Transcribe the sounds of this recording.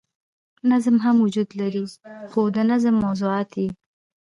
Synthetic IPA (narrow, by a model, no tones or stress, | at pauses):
nazmɦamwʊd͡ʒud̪laɾixod̪ənazəmːawzʊɑt̪i